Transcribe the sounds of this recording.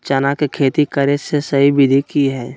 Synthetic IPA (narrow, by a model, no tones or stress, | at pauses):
t͡ʃanakekʰeːt̪ikəɾesesɐɦibɪd̪ʱikiɦɛː